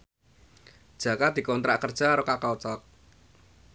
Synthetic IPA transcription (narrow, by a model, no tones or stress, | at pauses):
d̥ʒ̥ä̤kad̪̥i̤kɔnt̪ɾaʔkərd̥ʒ̥a̤ɾokakawt͡ʃɔk̚